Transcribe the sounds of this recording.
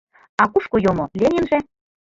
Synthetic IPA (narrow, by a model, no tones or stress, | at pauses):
ɑkuʃkojomolʲenʲĕnʒĕ